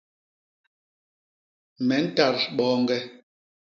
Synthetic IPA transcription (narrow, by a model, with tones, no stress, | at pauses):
mɛ˨˦n̩˦ta˨ɾɓɔː˦ŋɡɛ˦